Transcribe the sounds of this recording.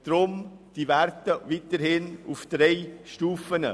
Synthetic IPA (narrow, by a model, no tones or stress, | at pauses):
d̥ɾʊmd̥ivæɾtəvit̪əɾhɪnufd̪̥ɾeɪʃtuːfənə